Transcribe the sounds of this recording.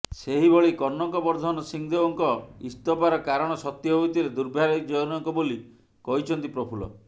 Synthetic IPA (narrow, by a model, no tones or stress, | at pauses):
seɦibɔɭikɔnːɔŋkɔbɔɾd̪ʱɔnɔsiŋd̪ebɔŋkɔist̪ɔpaɾɔkaɾɔɽ̃ɔsɔt̪jɔɦojt̪ʰiɾed̪uɾbʱaɾɔikd͡ʒɔjnɔŋkɔboli | kɔɦit͡ʃʰɔnt̪ipɾɔpʰulɔ̰